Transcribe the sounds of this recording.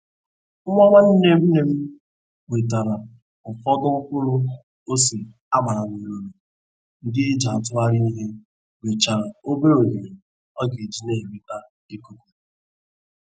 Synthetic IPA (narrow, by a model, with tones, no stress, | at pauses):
ŋ̩˦ŋʷa˦ma˦n̩˦ne˨mu˦ne˨m̩˦ | we˨ta˨ɾa˨ | m̩˨fɔ˦dʊ˦ŋ̩˦kʊ˦ɾʊ˦ | o˦si˨ | a˦ma˨ɾa˨ni˨ɾo˨ɾo˨ | ŋ̩˦dɪ˦e˦d͡ʒa˨a˨tʊ˦a˦ɾɪ˦ni˦ɦe˦ | we˨t͡ʃa˨ɾa˨o˦be˦o˨ɲe˨ɾe˨ | ɔ˦ɡe˨d͡ʒi˦ne˦ɦe˨be˨ta˦ | dɪ˦ko˦ko˨˦